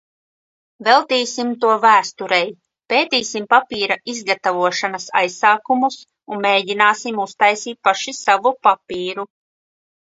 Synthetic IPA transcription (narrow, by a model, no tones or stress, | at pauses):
vɛlˠt̪iːsimt̪uɔvæːst̪uɾɛj | peːt̪iːsimpapiːɾaʔizɡat̪avuɔʃanasa̰jsaːkumus | unmeːdinaːsimust̪ajsiːt̪̚paʃisavupapiːɾu